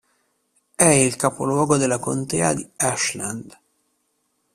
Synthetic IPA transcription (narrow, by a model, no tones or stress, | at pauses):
ɛilkapo̰lwɔːɡod̪elːakont̪ɛːad̪iaʃland̪